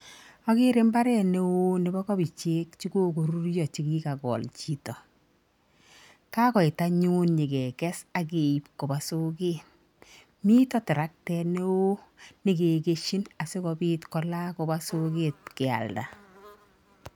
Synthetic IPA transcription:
ɔ˦ɡɪ˦ɾe˦mba˦ɾɛ˦ne˦wo˦nɪ˦bɔ˦kɔ˦bi˨t͡ʃe˦kt͡ʃi˦ɡo˦ɡo˨ɾu˦ɾjɔ˨t͡ʃi˦ɡi˦ka˨ɡɔ̰˨lt͡ʃi˨tɔ˨ | ka˦kɔ˨ɪ˨ta˦ɲu˦nɲɪ˨ɡɛ˨kɛ˦sa˨ɡe˨i˨p̚ko˨ba˨so˦ɡe˦t | mi˦tɔ˦tɪ˨ɾa˦k̚tɛ˧ne˦wo˦nɪ˨ɡe˨ɡe˦ʃi˦na˨se˦kɔ˨bi˦tkɔ˦la˦ko˨ba˦so˦ɡe˦t̚kɪ˨a̰˨lda̰˨

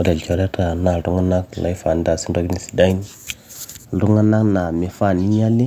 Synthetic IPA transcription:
o˨˦da˨lt͡ʃo˨ɾe˦ta˨na˨ɾu˦ŋa˦na˦kla̰˨˦jfa˨n˦da˨si˦n˦do˦ɡni˨si̥˨da˦i˦n˦˨ | du˦ŋa˦na˦kna˨me˨fa˦˨ni˦ɲa˦li˦

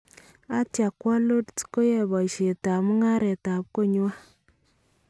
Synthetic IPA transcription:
a˦tja˨kwa˦lo˦ttko˦jɛ˨ba˨ʃe˨ta˨mu˦ŋa˦ɾɛ˨ta˨p̚ko˦ɲ˦wa˦

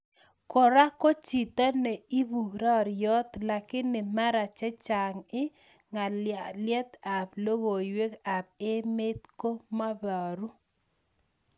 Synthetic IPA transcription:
kɔ˨ɾa˦ko˦t͡ʃi˨t̪a˦nɛ˨i˦bu˨ɾa˦˨ɾjɔ˦t̪la˨kɪ˦nːɪ˨ma˦ɾa˨t͡ʃɛ˦t͡ʃa˨ŋɪ˦ | ŋa˨ljɛ˦t̪a˨plo˦ɣo˨we˦ka˨p̚ɪ˦me˦t̪ko˦ma˦ba˨ɾu˦

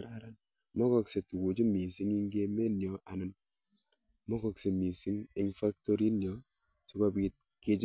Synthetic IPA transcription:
ɾa˨ɾa˦n | mɔ˦kɔ˨kse˨tu˨ku˨d͡ʒi˦mi˨si˦ŋi˦ŋɡe˦me˦njɔ˨a˨nɪ˦n | mɔ˦kɔ˨kse˨mi˨si˦ŋi˦ŋfa˦k̚to˦ɾi˦njɔ˨ | si˦kɔ˦bi˦t̚ | ke˦t͡ʃ

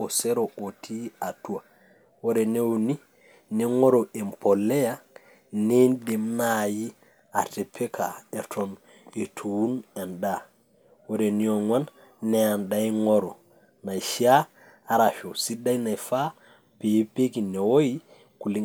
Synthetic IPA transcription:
o˨se˦ɾoʔo˨tʰi˦a˨tu˦wa˨ | wo˦ɾe˨ne˦wuni˦ | ne˨ŋo˦ɾo˨ʔe˨mpʰo˨lːe˦ja | nende˨mnaji˦ | a˨te˨pʰe˦kʰa˨e˨tʰɔ˨n | e˨tʰuwu˦na˨nɗa | woɾenio˨ŋwa˦nː | ɛa˨nɗajŋo˦ɾɔ˨ | na˨jʃia˦ | a˨ɾa˨fo˨si˦da˦jna˨jfa˦ | pe˨˦pe˦ɡi˨ne˨wo˦ji | ku˨li˦

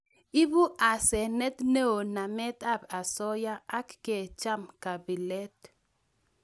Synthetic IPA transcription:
i˦bu˦ʔa˨sɛ˨nɛ˦t̪ne˦o˨na˨mɛ˦t̪a˦pa˨sɔ˦ja˦a˦kːe˨t͡ʃa˦mka˨bi˨lɛ˦t

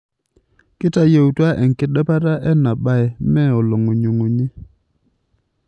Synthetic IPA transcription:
kɪ˦ta˦je˨u˨twa˦ʔɛ˨ŋ̩˨kɪ˦ɗɛ˦pa˦ta˦ʔɛ˦na˨ɓa˦ɛ˨mɛ˦˨ɔ˨lɔ˨ŋo˨ɲo˨ŋo˨ɲi˦

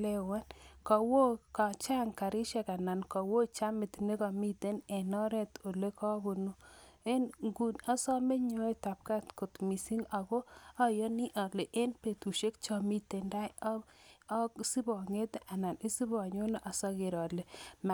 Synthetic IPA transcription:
le˦wa˦nkɔ˨wo˦ka˨t͡ʃa˦ŋka˨ɾɪ˦ʃɛ˨ka˨na˨nkɔ˨wo˦t͡ʃa˦mɪ˨t̪ne˦kɔ˨mi˦te˦nɛ˨nɔ˦ɾɛ˦t̪o˨le˦kɔ˦bo˨no˦e˦nŋɡu˨na˦sɔ˦me˦ɲo˦˨ta˨p̚ka˦tko˨tmi˨si˦ŋa˨ɡɔ˦ɔ˦jɔ˦ni˦ʔɔ˨le˨ʔe˦npe˨tu˨ʃe˦k̚t͡ʃɔ˨mi˦te˨nda˦jɔ˦ksi˦bɔ˨ŋe˦t̪a˨na˨ni˦si˦bɔ˨ɲo˦nɔ˦ʔa˨sɔ˦ke˨ɾɔ˨le˨m˨

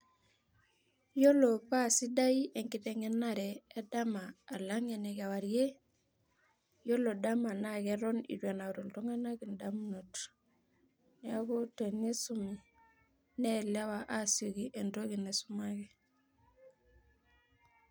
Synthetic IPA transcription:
jo˦lo˨pa˦si˦da˦iʔe˨ŋki˨te˨ŋe˦na˦ɾeː˦da˦maː˨la˦ŋe˨ne˨ka˨wa˨ɾje˦ | jo˦lo˨da˦ma˨nakeɾo˦nḭ˨dwa˨na˨ɾo˨lto˦ŋe˦na˦ki˨ndamno˨t | nea˦ku˦te˨ni˦su˦mi | ne˦la˦waʔa˦so˨ɡiʔe˨ndo˦ki˨nesuma˦ki˨

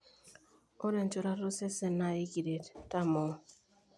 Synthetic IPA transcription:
o˦ɾɛ˨n˨t͡ʃo˦ɾa˦ɾo˦sɛ˦sɛ˨na˨i˦ki˨de˨tta˦mɔ˨

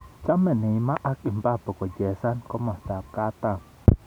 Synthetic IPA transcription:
t͡ʃa˦mẽ˨nĩ˨˧mã˦ʔa˦ki˧˨mba˦po˨ko˨je˨sa˦nko˦mã˨st̪a˨ka˦t̪a˦

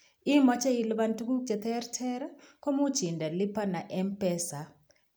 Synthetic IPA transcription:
i˦mɔ˦t͡ʃɛ˦ji˨lβa˦ntʼu˦ku˦d͡ʒʱɛ˨t̪ʰɛ˦rtʰɛ˦ɾa˦ko˦mu̥˦ʒ̥ʱi˨ndʱa˨li˦pʰa˦na˨ʔɛ˦mpʼɛː˦sa˨

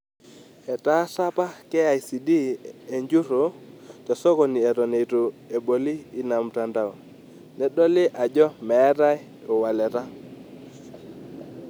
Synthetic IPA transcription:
ɛ˨ta˦sa˦pa˦kɛ˦a˨i˨si˨di˦e˨ɲd͡ʒu˦ɾo˨tɛ˨sɔ˦kɔ˨ni˨ɛ˨ɾɔ˨ne˨to˨e˨bo˨liː˦na˨mta˦nda˨w | nɛ˦ɗɔ˦lɪ˦ʔa˨d͡ʒɔ˦mɛ˨˦ɾa˦j | o˨wa˨lɛ˨ɾa˦

